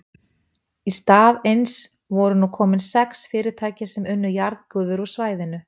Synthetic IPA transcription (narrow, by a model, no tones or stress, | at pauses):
ist̪aːðejns | vɔɾʏnukʰɔːmɪnsɛksfɪːɾɪ̥t̪ʰaːjcɪsɛmʏnːʏjaɾðkʏːðʏɾɔsvaːjðɪnʏ